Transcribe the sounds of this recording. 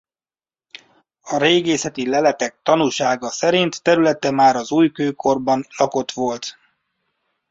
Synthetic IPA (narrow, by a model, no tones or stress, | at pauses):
ɒɾeːɡeːsɛt̪ilɛlɛt̪ɛk̚t̪ɒnulʃaːɡɒsɛɾint̪ːɛɾylɛt̪ɛmaːɾɒzuːjkøːkʰo̞rbɒnlɒko̞t̪ʋo̞lt̪